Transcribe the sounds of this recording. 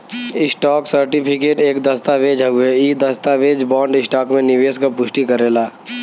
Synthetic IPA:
ɪsʈaːksɐɾʈɪpʰɪkeːʈeːkd̪ɐst̪aʋeːd͡ʒɐɡueiːd̪ɐst̪aʋeːd͡ʒbɔːɳɖɪsʈaːkmẽnɪʋeːskapʊʃʈikɐɾeːlaː

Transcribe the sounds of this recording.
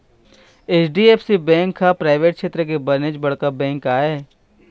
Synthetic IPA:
eːt͡ʃɖieːpsibɛ̃ːŋkʰːapɾaːɪʋeːʈ̚kʃeːt̪ɾək̬ebɐɾned͡ʒbɐɽkabɛ̃ːŋkaːeː

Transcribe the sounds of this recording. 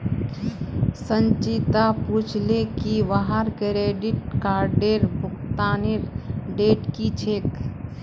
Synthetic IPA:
sə̃nt͡ʃit̪aput͡ʃʰlekiʋaɦaɾkɾeːɖɪʈkaːɾɖeɾbʊkt̪aːnɪɾɖeːʈkit͡ʃʰeːk

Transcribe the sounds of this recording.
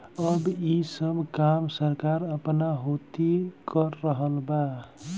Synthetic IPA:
əbisəbʱkamsəɾkaɾəpnaɦot̪ikəɾːəɦəlba

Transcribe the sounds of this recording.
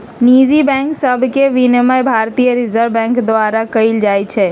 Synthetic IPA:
nid͡ʒibɛ̃ːŋksəbʱkeʋinəmajbʱaːɾt̪ijəɾɪzəɾbɛ̃ːŋkd̪ʋaːɾakəɪld͡ʒaːjt͡ʃʰɛ

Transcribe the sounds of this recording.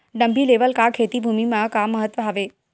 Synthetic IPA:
ɖəmbʱiːleʋəlkakʰet̪iːbʱumimakaməɦət̪ːʋəɦaʋe

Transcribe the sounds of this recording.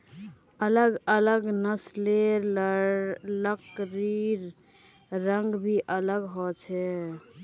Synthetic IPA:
ələɡələɡnəsleɾ | ləkɾiɾ | ɾəŋɡbʱiʔələɡɦɔt͡ʃʰɛ

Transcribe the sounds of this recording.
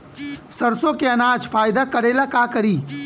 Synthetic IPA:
sɐɾsõkeɐnaːd͡ʒfaːjd̪akɐɾeːlakaːkɐɾiː

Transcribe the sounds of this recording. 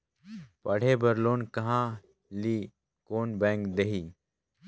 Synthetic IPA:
pɐɽ̤ebɐɾloːnkɐɦã | liː | koːnbɛ̃ːŋkd̪eɦiː

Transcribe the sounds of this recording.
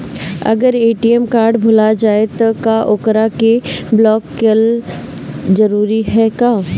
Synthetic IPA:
ɐ̰ɡəɾeːʈiɛmkaːɾɖbʱʊlad͡ʒaːet̪ɔkaʔoːkɾakeblɔːkːel | d͡ʒɐɾuːɾiɦɛkaː

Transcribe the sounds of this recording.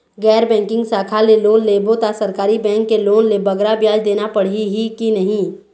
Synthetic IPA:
ɡɛːɾbɛ̃ːŋkɪ̃ŋɡsaːkʰaleloːnleːbot̪asɐɾkaːɾibɛ̃ːŋkːeloːnlebɐɡɾabjaːd͡ʒd̪eːnapɐɽ̤iɦikinɐɦĩ

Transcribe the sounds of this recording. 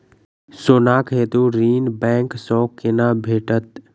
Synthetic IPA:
soːnaːkɦeːt̪uɾiːnbɛ̃ːŋksɔ̃ːkenaːbʱeːʈət̪̚

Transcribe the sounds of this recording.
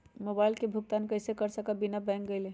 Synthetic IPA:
mobaɪlkebʱʊɡ̚t̪ankəɪsekəɾsəkabinabɛ̃ŋk̚ɡəɪle

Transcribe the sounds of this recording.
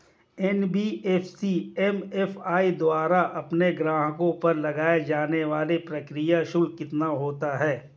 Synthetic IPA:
ɛnbiːʔɛːfsiɛmɛfʰaːid̪waːɾaʔɐpneɡɾãːɦkõpɐɾlɐɡaːed͡ʒaːneʋaːlepɾɐkɾijaʃʊlkɪt̪naɦoːt̪aɦɛː

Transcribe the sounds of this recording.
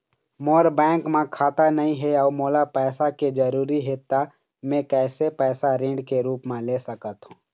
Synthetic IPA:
moːɾbɛ̃ːŋkmẽkʰaːt̪anɐɦĩɦɛɔːmoːlapɛːsaked͡ʒəɾuːɾiɦet̪a | mẽkɛːsepɛːsaɾẽːɖkeɾuːpmẽlesəkət̪ɦũː

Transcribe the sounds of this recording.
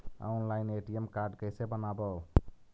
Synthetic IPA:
a̰ʊnlaɪneʈiemkaɾɖkəjsebənabə

